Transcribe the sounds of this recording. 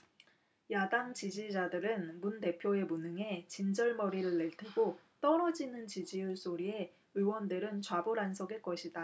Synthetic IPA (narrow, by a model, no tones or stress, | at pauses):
jadaŋt͡ɕid͡ʑid͡ʑadɯɾɯnmunte̞pʰjoe̞munɯŋe̞t͡ɕind͡ʑʌɭmʌɾiɾɯɭːe̞ɭtʰeɡo | t͈ʌɾʌd͡ʑinɯnt͡ɕid͡ʑiuɭs͈oɾie̞ | ɯwʌndɯɾɯnt͡ɕwabuɾansʰʌɡek͈ʌɕʰida